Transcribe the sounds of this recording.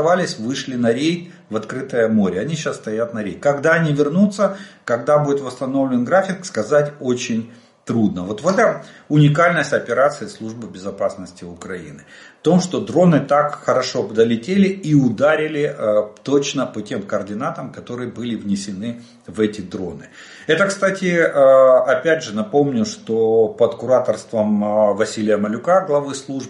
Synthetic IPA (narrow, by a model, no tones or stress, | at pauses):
valʲɪsʲvɨʂlʲɪnɐɾʲej | vɐt̪kɾɨt̪əjəmoɾʲɪɐnʲiɕasst̪ɐjat̪nɐɾʲejkɐɡd̪aɐnʲivʲɪrnut̪səkɐɡd̪abudʲɪt̪vəst̪ɐno̞vlʲɪnɡɾafʲɪkskɐzatʲo̞t͡ɕɪnʲ | t̪ɾud̪̚nəvo̞t̪vɛt̪əʊnʲɪkalʲnəsʲtʲɐpʲɪɾat̪sɨɪːslˠuʐbɨbʲɪzɐpasnəsʲtʲɪʊkɾɐḭnɨft̪o̞mʂt̪o̞d̪ɾo̞nɨt̪akxəɾɐʂo̞bd̪əlʲɪtʲelʲɪiʊd̪aɾʲɪlʲɪt̪ot͡ɕnəpotʲe̞mkɐːrdʲɪnat̪əmkɐt̪o̞ɾɨjəbɨlʲɪvnʲɪsʲɪnɨ | vɛtʲɪd̪ɾo̞̰nɨ | ɛt̪əkst̪atʲɪ | ɐpʲædʲʐɨnɐpo̞mnʲʊʂt̪o̞pət̪kʊɾat̪ərst̪vəmvɐsʲilʲɪjəməlʲʊkaɡlˠɐvɨslˠuʐb